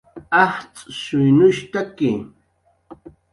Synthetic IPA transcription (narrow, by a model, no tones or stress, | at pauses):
ɑht͡sʼʃʊjnʊʃt̪akɪ